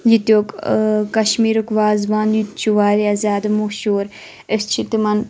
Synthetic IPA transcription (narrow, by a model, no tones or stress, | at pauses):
jit̪joːkkɐʃmiːɾukʋaːzʋaːnjut̪t͡ʃuʋaːɾiazʲaːd̪muʃoːɾ | est͡ʃʰit̪imɐn